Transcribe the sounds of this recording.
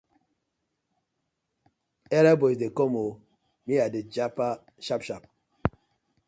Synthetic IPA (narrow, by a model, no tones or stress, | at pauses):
ɛɾabosdekomo | miaded͡ʒapa | ʃapʃap̚